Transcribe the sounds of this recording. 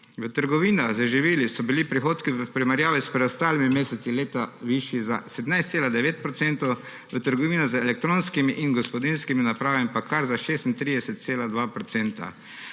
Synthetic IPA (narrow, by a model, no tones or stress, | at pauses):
ʋət̪əɾɡɔʋiːnazəʒiʋiːlisɔbilipɾixoːt̪kiəpɾimaɾjaːʋɛspɾɛd̪ɔst̪aːlimimeːsɛt̪sileːt̪aʋiʃjiza̰sɛd̪najst̪seːlad̪ɛʋeːt̪̚pɾɔt̪sɛnt̪ɔw | ʋət̪əɾɡɔʋiːnɔzəɛlɛk̚t̪ɾoːnskimiʔinɡɔspɔd̪inskiminapɾaːʋamipakʰaɾzaʃeːst̪int̪ɾiːd̪ɛsɛt̪̚seːlad̪ʋapɾɔt̪sɛːnt̪a̰